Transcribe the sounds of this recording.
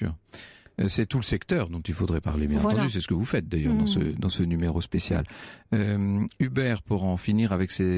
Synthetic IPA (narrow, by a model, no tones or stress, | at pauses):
y̰ːʁøsɛt̪uləsɛkt̪œʁd̪ɔ̃t̪ilfod̪ʁɛpaʁlebjɛ̃nɑ̃t̪ɑ̃d̪ys̬ɛsə̥kəvufɛt̪̚d̪ajœʁd̪ɑ̃sə̰d̪ɑ̃sənymeʁospesja̰løybɛʁpuʁɑ̃finiʁavɛkse